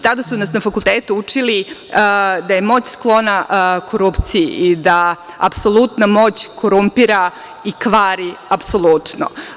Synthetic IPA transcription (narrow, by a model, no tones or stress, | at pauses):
t̪ad̪asunasnafakulˠt̪eːt̪uut͡ʂili | d̪aje̞mo̞ːt͡ɕsklˠo̞nakʰo̞ɾupt̪sijḭʔid̪a | a̰pso̞lˠut̪namo̞ːt͡ɕko̞ɾumpiɾa | ikʋaːɾiapso̞lˠut̪no̰